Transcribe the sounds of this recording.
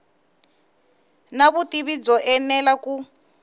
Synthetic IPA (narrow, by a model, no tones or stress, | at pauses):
naβutiβid͡zɔʔɛnɛlaku